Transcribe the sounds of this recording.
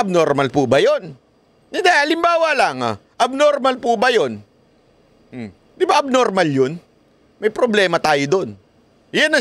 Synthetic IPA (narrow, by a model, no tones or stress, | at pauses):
ɐb̚noɾmalpuːbɐjonː | ɪd̪ɛʔɐlɪmbaːwɐlaŋaʔɐb̚noɾmalpuːbɐjo̞n | d̪ɪbaʔɐb̚noɾmaljon | mɐjpɾoblɛːmɐt̪aːjod̪o̞n | janɐ